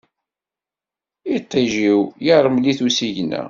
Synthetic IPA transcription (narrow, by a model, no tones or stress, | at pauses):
it̪ˤːiʒiwjəɾˤəmliθusiʝnːæ̰